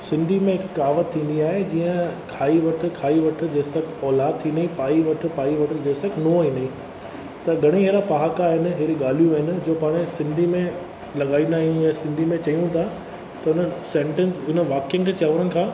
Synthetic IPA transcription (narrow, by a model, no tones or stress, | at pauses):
sɪ̃nd̪ʱimẽɦɪkːaːʋət̪ʰːĩːn̆d̪iaːɦed͡ʑiːə̃kʰaːiʋɐʈʰɪ̆kʰaːiʋɐʈʰɪ̆d͡ʑeːsɐkʰɔːlaːd̪̚t̪ʰĩːnd̪ĩpaːiʋɐʈʰʊ̆paːiʋɐʈʰɪ̆d͡ʑeːsɐkʰnoɦĩːnd̪ĩ | t̪ɐɡʱɐɽ̃iɦeːɾapaɦakaɦɪnɪ̆ɦeɾiɠaːl̤ijũaːɦɪnɪ̆d͡ʑoːpaːɽ̃esɪ̃nd̪ʱimẽ | lɐɠaːĩːnd̪aːɦĩjãsɪ̃nd̪ʱimẽt͡ɕɐjũt̪ʰa | t̪ɐʊnəsẽːɳʈensʊnəʋaːkɪjənɪ̆kʰeːt͡ɕaʋəɾənɪ̆kʰãː